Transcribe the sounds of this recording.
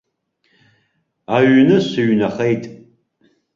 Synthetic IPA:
aɥnɨsɨɥnaχejtʼ

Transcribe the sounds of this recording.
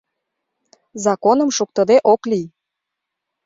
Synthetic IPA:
zɑkonə̆mʃuk̚t̪əd̪eʔokli

